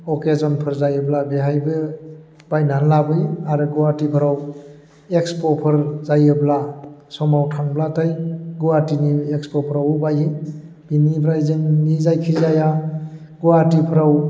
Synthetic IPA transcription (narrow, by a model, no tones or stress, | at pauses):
ɔkezɔnpʰɯɾzajɯblabeɦajbɯ | b̥ajnanlabɯjaɾɯɡuwatipʰɯɾaw | ekspɔpʰɯɾzajɯblasɔmawtʰaŋblatʰajɡuwatiniekspɔpʰɯɾawɯbaji | b̥inibɾajzɯŋnizajkʰizaja | ɡuwatipʰɯɾaw